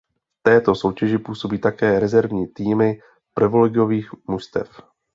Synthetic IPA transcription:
ft̪ɛːt̪o̞so̞wcɛʒɪpuːso̞biːt̪akɛːɾɛzɛɾvɲiːt̪iːmɪ | pɾɪvolɛɡɪjo̞viːxmust̪ɛ̰f

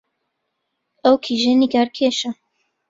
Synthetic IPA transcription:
ɐwkʰiʒeniɡaɾkʰeʃɐ

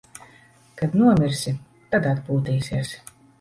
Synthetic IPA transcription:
kad̪nuɔmiɾsi | t̪ad̪ad̪buːt̪iːsiɛs

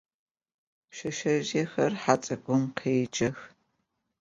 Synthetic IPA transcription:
pʃɐʃɐʒexɐrħat͡sʼɐɡʷʊmqʰeːd͡ʒʼɐx

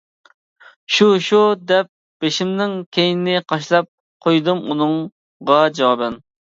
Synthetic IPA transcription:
ʃuʃud̪ɛp̚ | b̥eʃimnɪŋkʲʰejnɪnɪqʰɑʃlˠɑp̚ | qʰojd̪umunɨŋ | ʁɑd͡ʒɑwɑbɛn

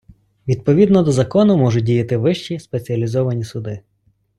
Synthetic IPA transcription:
ʋʲid̪̚pɔʋʲid̪nɔd̪ɔzɐkɔnʊmɔʒʊdʲijɐt̪ɪʋɪʃt͡ʃispet͡sʲiɐlʲizɔʋɐnʲisʊd̪ɪ

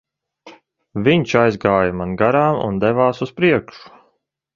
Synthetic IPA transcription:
viɲt͡ʃajzɡaːjamanɡaɾaːmṵnd̪ɛvaːsuspɾiɛkʃu̥

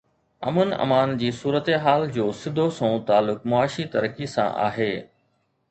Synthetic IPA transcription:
ɐ̰mənɐ̰maːnd͡ʑiːsuːɾət̪eɦaːld͡ʑoːsɪd̪ʱosõːt̪aːlʊkmʊaːʃit̪ɐɾkisã̰ʔa̰ːɦeː

